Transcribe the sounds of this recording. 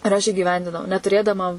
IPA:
ɪr ˈɐʃ iːɡʲɪˈʋʲɛnʲdʲɪnɐʊ nʲɛtʊˈrʲeːdɐmɐ

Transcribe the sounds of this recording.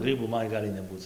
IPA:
ˈɡrʲiːbuː ˈmɐn ˈɡɑːlʲɪ nʲɛˈbuːt͡s

